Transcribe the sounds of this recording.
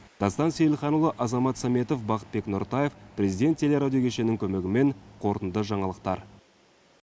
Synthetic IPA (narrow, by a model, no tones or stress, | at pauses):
d̪̥ɑst̪ɑnsejɪlχɑnulˠəʔɑzɑmɑt̪sɑme̞t̪o̞fbɑqə̥t̪̚be̞knoɾt̪ɑje̞fpɾe̞zijd̪ʲet̪ʲʰːe̞le̞ɾad̪ʲijo̞kʲʰeʃe̞nɪŋkʲʰɵme̞ɡʲɪme̞ɴqʰo̞ɾt̪ənd̪əʒɑɴɑlˠəq̚t̪ɑɾ